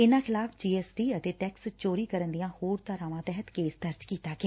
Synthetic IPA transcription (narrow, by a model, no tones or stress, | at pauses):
ɪnãːxʰɪlaːfd͡ʒiːɛːsʈiːət̪eːʈɛːkst͡ʃoːɾiːkəɾənd̪ijãːhoːɾt̪aɾãːʋãːt̪ɛɦət̪keːsd̪əɾd͡ʒkiːt̪aːkeː